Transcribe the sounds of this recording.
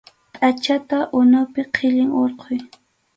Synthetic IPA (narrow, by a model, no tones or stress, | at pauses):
pʼat͡ʃat̪aʔʊnawpɪqʰɪʎɪŋoɾqʰʊj